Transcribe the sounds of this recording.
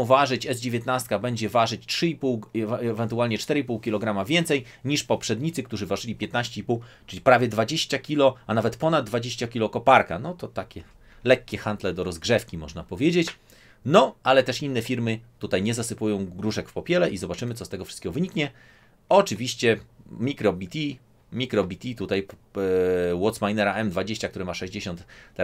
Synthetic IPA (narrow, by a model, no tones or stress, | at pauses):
w̃vaʐɘt͡ɕɛzd͡ʑevʲjeɛt̪nast̪̚kabɛɲd͡ʑɛvaʐɘt͡ɕtʂɘipuwɛvɛnt̪ualɲɛt͡ʂt̪ɛɾɘipuwkʲilɔɡɾamavʲjɛnt̪sɛj | ɲiʂpɔpʂɛd̪ɲit̪sɘk̚t̪uʐɘvaʐɘlʲipʲjɛt̪naɕt͡ɕɛipuwt͡ʂɘlʲipɾavʲjɛd̪vad͡ʑeɕt͡ɕakʲilɔanavɛt̪pɔnad̪̚d̪ːvad͡ʑeɕt͡ɕakʲilɔkɔpaɾka̰nɔt̪ɔt̪akʲɛ | lɛkʲːɛxant̪lɛd̪ɔɾɔzɡʐɛfkʲimɔ̰ʐnapɔvʲjed͡ʑet͡ɕ | nɔalɛt̪ɛʂinːɛfʲiɾmɘt̪ut̪ajɲɛzasɘpujɔ̃w̃ɡɾuʂɛkfpɔpʲjɛlɛʔizɔbat͡ʂɘmɘt̪ɔst̪ɛɡɔfʂɨ̥st̪kʲɛɡɔvɘɲikɲɛ | ɔt͡ʂɘvʲiɕt͡ɕɛmʲikɾɔbʲit̪ʲi | mʲikɾɔbʲit̪ʲit̪ut̪aj | wɔt̪smajnɛɾaɛmd̪vad͡ʑeɕt͡ɕakt̪uɾɛmaʂɛʑd͡ʑeɕɔ̃nt̪ːɛ